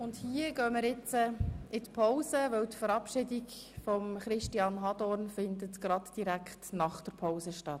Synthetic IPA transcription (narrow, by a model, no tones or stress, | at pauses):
ʊndhiəɡ̥œːməɾɪt͡səɪtpʰoʊsəʋœwtfəɾɑpʃɪdik | fɔmχɾɪʃtiɑnɦɑdɔrnfɪndətɡ̥ɾɑtd̥iɾækχtnɑχd̥əɾpʰaʊsəʃtɑt